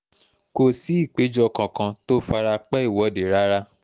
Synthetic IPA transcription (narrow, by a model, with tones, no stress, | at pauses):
ko˧˨si˨˦i˦˨k͡pe˨˦d͡ʒɔ˦kã˨kã˧to˦fa˧ɾa˧k͡pɛ˦i˦˨wɔ˨˦˨de˨ɾa˦ɾa˦